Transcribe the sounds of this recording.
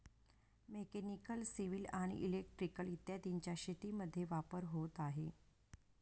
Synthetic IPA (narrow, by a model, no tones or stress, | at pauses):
mekenikəlsiʋilaɽ̃ḭʔilek̚ʈɾikəlit̪jad̪iɲt͡ɕjaɕet̪iməd̪ʱːjeʋapəɾɦot̪aɦe